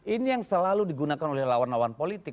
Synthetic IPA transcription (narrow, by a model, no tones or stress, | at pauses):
inijaŋsəlaludiɡunakanolɛhlawanlawanpolit̪ɪk̚